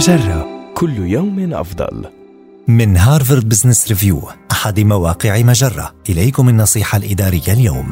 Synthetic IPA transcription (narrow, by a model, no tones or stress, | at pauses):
ʒarˤːɑkʰʊlːjawmʔɑ̰fd̪ˤɑ̰l | mɪnɦaːɾˤvɪɾd̪̚bɪznɪsɾɪvjṵːʔaħad̪mawaːqɪʕmaʒɑrˤːɑ̰ʔɪlajkʊmɪnːɑsˤiːħalʔɪd̪ɑːɾɪjːaljaːm